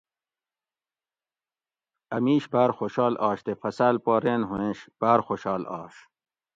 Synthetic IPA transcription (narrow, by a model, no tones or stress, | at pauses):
ɐ̰miːɕbaːɾxoɕɑːlɑːɕt̪efɐsaːlpoːɾeːnɦũẽːɕb̥aːɾxoːɕɑːlɑ̰ːɕ